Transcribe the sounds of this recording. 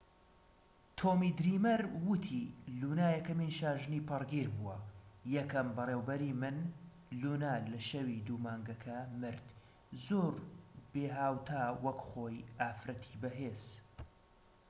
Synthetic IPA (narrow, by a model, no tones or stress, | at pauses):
t̪ʰoːmiːd̪ɾimɐɾwɨt̪ʰiluːnaːjɛkɐmiːnʃaːʒɨniːpʰɨrɡiɾbuwɐjɛkɐmbɨreːwbɐɾiːmɨn | lunaːlɐʃɐwid̪umaːŋɡɐkʰɐmɨɾd̪ | zoːɾbeːɦaːwt̪ʰaːwɐkχoːjʔaːfɾɐt̪ʰi̥ːbɐɦeːz̥